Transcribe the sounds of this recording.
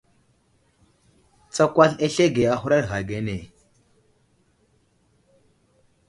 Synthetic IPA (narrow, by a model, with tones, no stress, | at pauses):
t͡sa˦kʷa˦ɬe˦ɬe˦ɡe˨a˦xu˦ɾa˦ɾɣa˨ɡe˦ne˨